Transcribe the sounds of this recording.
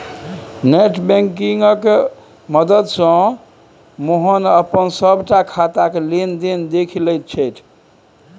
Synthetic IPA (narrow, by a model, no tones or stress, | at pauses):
neʈbɛ̃ŋkiŋɡək | məd̪əd̪sə̃ | moɦənəpənsəbʱʈakʰat̪akelend̪end̪ekʰiləjt̪̚t͡ʃʰɛjt̪ʰ